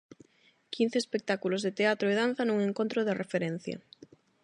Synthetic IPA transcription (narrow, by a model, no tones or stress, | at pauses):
kʰin̟θeːspek̚t̪akulozðet̪eat̪ɾoeðan̟θɐnuŋeŋkont̪ɾoðerefeɾɛn̟θjɐ̰